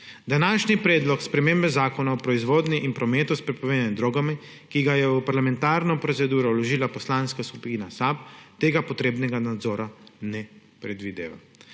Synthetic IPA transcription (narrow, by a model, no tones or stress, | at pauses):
d̪anaːʃnipɾɛːd̪lɔkspɾɛmeːmbɛzaːkɔnaɔpɾɔizʋoːd̪niʔinpɾɔmeːt̪uspɾɛpɔʋeːd̪anɛd̪ɾoːɡami | kiɡajɛupaɾlamɛ̃nt̪aːɾnɔpɾɔt̪sɛd̪uːɾɔlɔʒiːlapɔslaːnskasku̥piːnasap̚t̪eːɡapɔt̪ɾeːbnɛɡanad̪zɔːɾanɛ | pɾɛd̪ʋid̪ḛːʋa̰